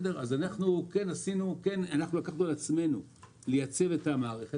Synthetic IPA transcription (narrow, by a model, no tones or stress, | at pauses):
deʁazanaχnuke̞nasinuke̞nanaχnulakaχnulat͡sme̞nu | lejat͡se̞ve̞tamaːʁeχe